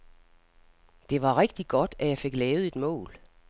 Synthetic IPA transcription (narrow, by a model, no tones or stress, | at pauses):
d̥e̝ʋɑ̈ʁeɡ̥d̥iɡ̥ɒ̽d̥æjɑ̈ɪfe̝ɡ̥lɛːʊð̩ˠe̝d̥mɔ̰ːl